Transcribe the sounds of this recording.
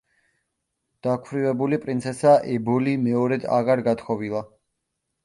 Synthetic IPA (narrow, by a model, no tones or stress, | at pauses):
d̪̥akʰvɾivɛbulipʼɾint̪sʰɛsaʔɛbɔlimɛɔɾɛd̪a̰ɣaɾɡat̪ʰχʰɔvilˠa